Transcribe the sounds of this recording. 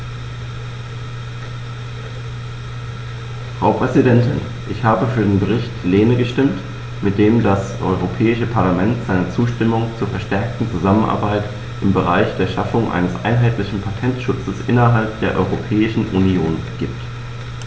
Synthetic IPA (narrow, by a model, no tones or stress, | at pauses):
fʁ̥aʊpʁ̥ɛzidɛntɪn | ʔɪçhaːbəfyːɐdeːnbəʁ̞ɪçtleːnəɡəʃtɪmt | mɪt̚d̥eːmdasʔɔʏʁopʰɛːɪʃəpʰaɐlamɛntz̥aɪnət͡suːʃtɪmʊŋt͡suːɐfɛɐʃtɛɐk̚tn̩t͡suzamənʔa̰ɐbaɪt | ʔɪmbəʁ̞aɪçd̥eːɐʃafʊŋʔa̰ɪnəsʔa̰ɪnɦaɪtlɪçn̩pʰatʰɛntʃʊt͡səsʔɪnɐɦalp̚d̥eːɐʔɔ̰ʏʁopʰɛːɪʃn̩ʔunioːnɡ̥iːp̚t